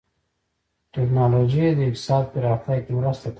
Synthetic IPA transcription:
ʈeknɑlod͡ʒijed̪əɪkt̪ɪ̥sɑd̪̚pəɾɑxt̪ajkewɾust̪at̪

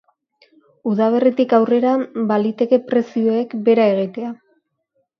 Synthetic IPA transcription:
uðaβ̞e̞rit̪ikawre̞ɾabalit̪e̞ke̞pɾe̞sio̞ekbe̞ɾae̞ɣ̞it̪e̞a

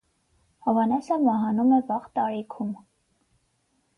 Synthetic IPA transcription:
hɔvɑnɛsəmɑɦɑnumɛvɑʁt̪ɑɾikʰum

